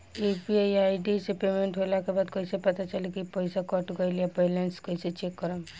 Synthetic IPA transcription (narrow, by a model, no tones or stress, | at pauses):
epiajaiɖisepemẽɳʈɦolakebaːd̪koisepɐt̪at͡ʃəlekipəɪsakɔʈɡəilijapɛːlenskəiset͡ʃekːəɾəm